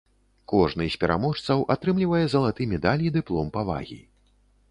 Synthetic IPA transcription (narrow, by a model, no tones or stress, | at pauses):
kɔʐnɨsʲpʲɛɾʔa̰mɔʂt̪sɐwʔat̪ɾɨmlʲivɐjɛzɐlˠat̪ɨmʲɛd̪alʲid̪ɨplˠɔmpava̰ɣʲḭ